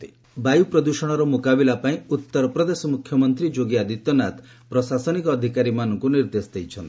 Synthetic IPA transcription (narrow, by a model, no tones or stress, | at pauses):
t̪i̥ | bajupɾɔd̪usɔɽ̃ɔɾɔmukabilapaĩut̪ːɔɾɔpɾɔd̪esɔmukʰjɔmɔnt̪ɾid͡ʒoɡiad̪it̪jɔnat̪ | pɾɔsasɔnikɔːd̪ʱikaɾimanɔŋkuniɾd̪esd̪ejt͡ʃʰɔnt̪i̥